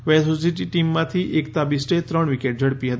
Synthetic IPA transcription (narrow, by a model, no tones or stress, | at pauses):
ʋɛsos̬iʈiʈimːãt̪ʰiʔekt̪abisʈet̪ɾəɳʋikeʈ̚d͡ʒəɽpiɦət̪i